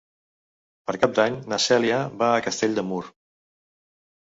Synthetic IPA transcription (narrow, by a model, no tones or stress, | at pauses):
pəɾkap̚d̪aɲnəsɛliaβaːkəst̪eʎʲd̪əmuɾ